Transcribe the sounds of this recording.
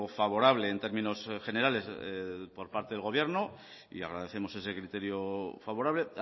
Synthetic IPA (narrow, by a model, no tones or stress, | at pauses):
faβ̞o̞ɾaβle̞ːnt̪e̞ɾmĩno̞sχe̞ne̞ɾale̞spo̞ɾpaɾt̪eðelɣo̞β̞je̞ɾno | ḭa̰ɣɾað̞e̞θe̞mo̞se̞se̞kɾit̪e̞ɾjofaβo̞ɾaβle̞